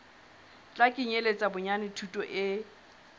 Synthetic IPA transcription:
t͡ɬʼakʼiɲelet͡sʼabʊɲanɪtʰutʼɔʔɪ

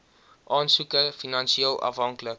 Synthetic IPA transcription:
ʔɑːnsukəfinɑnʃielˠɐ̰fɦɐŋklək

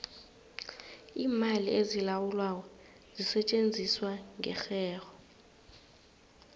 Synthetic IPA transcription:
iːmaliezilawulwaw̬ɔ | zisɛt͡ʃʼend͡zʱiswaŋʱɛ̰xɛːɣɔ

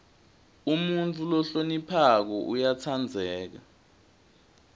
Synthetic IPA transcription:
umunt͡fʰʼulɔɬonipʰak̬ɔʔujat͡sʰand͡zʱɛːk̬a

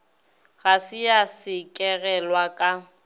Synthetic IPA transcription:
ɣasɪjasɪkʼɛɣɛlwakʼa

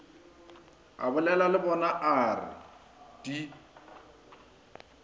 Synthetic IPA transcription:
a̰bʊlɛlalɪbɔnaʔaːrɪ̰ | d̥i

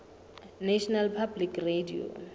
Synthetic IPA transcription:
naʃʰɔnalpʰablikredio̰

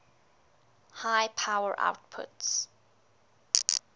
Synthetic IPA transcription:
haɪpʰawəɹʔa̰ʊtpʰʊ̰ts

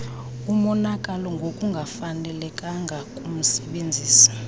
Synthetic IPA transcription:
umɔnakʼalɔŋɡʱokʼuŋɡʱafanɛlɛkʼaŋɡʱakʼum̩sɛɓend͡zʱiːsḁ

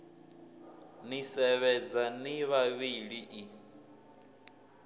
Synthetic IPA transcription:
nisɛβɛd͡zaniβaβiɺiʔi

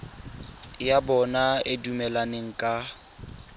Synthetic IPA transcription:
jabɔnaedumɛlaneŋ̩kʼa

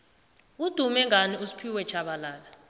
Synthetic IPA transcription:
ud̥ʱumɛŋʱaniusi̥pʰiwɛt͡ʃʰaɓalaːla

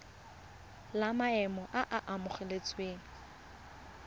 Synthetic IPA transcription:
lamaɛmɔʔaʔaʔamʊχɛlet͡sʼweːŋ̩

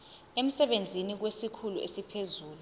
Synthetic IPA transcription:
em̩sɛɓend͡zʱinik̬wesikʰuluʔḛsipʰezuːlu

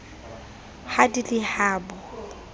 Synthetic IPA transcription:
hadilɪhaːbɔ

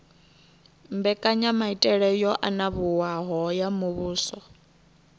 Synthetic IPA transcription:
mbɛkʼaɲamaitʼɛɺɛjɔʔanaβuwaɦɔjamuβuːsɔ

